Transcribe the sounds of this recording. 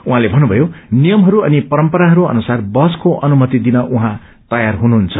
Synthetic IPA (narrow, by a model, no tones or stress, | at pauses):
uɦãlebʱʌnːubʱʌjonijʌmɦʌɾuʌnipʌɾʌmpʌɾaɦʌɾuʌ̰nusarbʌskoʔʌnumʌt̪id̪inʌʔuɦã | t̪ʌjarɦunuɦnt͡sʰʌ